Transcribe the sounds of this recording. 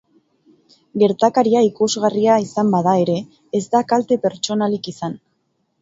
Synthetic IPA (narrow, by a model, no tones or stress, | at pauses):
ɡe̞ɾt̪akaɾiaikuzɣariaisambaðae̞ɾe̞ː | zd̪akalt̪e̞pe̞ɾt͡ʃo̞nalikisan